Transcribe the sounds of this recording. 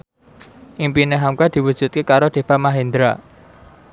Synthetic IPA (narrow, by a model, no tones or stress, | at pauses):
ʔimpineɦamkad̪̥i̤wud̥ʒ̥ṳt̪̚kekaɾod̪̥e̤famaɦend̪ɾa